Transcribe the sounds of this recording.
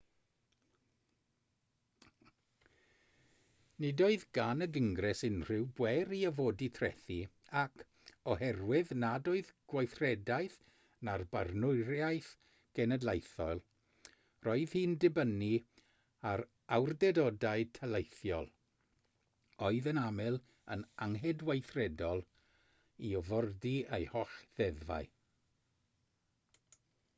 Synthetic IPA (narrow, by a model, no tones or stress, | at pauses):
nɪdoɨðɡanəɡəŋɡrɛsɪnr̥ɪwbwɛɾiəvoːditʰrɛ̰θi | akʰ | ɔɦɛrwɪðnadoɨðɡ̥wajθrɛdajθ | narbarnʊɾjajθ | ɡ̥ɛnɛdlˠejθɔlˠ | rɔɨð̥hiːndɪbəni | aɾ | awrdɛdɔdaɨtʰɛlˠejθjɔlˠ | ɔɨðənamɛlˠ | ənaŋɦɛdwejθrɛdɔlˠ | iɔvɔrdiejhɔɬðɛðva̰ɨ